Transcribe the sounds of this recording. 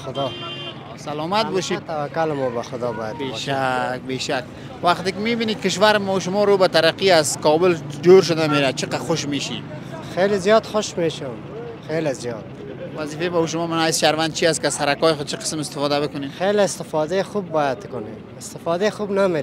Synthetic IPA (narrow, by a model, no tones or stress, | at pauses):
xʊd̪ɔ | salɔmat̪̚bɔʃit̪awakːalɪmɔbaxʊd̪ɔbɔjat̪beʃak̚beʃak̚ | waqt̪ɪkɪmibinikɪʃ̬waɾmɔuʃ̬ʊmɔɾobat̪aɾaqiazkɔbʊld͡ʒoɾʃ̬ʊd̪ameɾat͡ʃʰɪqaxʊʃmeʃḭ | xelezijɔt̪xʊʃmeʃʊm | xelezjɔt̪̚ | waziːfebauʃ̬ʊmɔmɪnaɪsʃaɾwand̪̚t͡ʃʰiast̪kɪazhaɾakɔːjɪxʊd̪̚t͡ʃʰiqə̥smɪst̪ɪ̥fɔd̪abɪkʊnexeleɪst̪ɪfɔd̪axubːɔjat̪kʊne | ɪst̪ɪfɔd̪exubnameɾ